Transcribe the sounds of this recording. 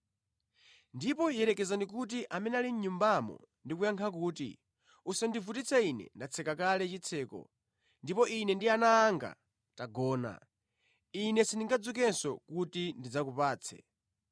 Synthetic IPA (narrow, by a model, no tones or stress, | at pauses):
ndipɔjɛɾɛkɛzandikut̬iʔamɛnɛaliɲ̩ɲumbamɔ̰ndikujaŋkʰak̬uːtḭ | usandivutit͡sʰainɛ̰ndat͡sʰɛkakalɛt͡ʃit͡sʰɛːkɔ̰ | ndipɔʔinɛndianaːŋɡa̰ | taɡɔːna̰ | inɛsiniŋɡad͡zukɛnsɔkutindid͡zakupaːt͡sʰɛ̰